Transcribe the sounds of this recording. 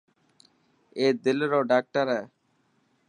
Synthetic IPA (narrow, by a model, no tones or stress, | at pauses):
eːd̪ɪlɾoːɖaːk̚ʈəɾɛː